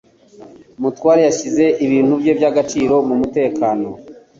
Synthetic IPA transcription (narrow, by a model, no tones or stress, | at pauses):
mutwaːɾejaɕize̞ʔiβiːn̥huvjovjaɡat͡ʃiːɾo̞mumute̞ːkaːno̞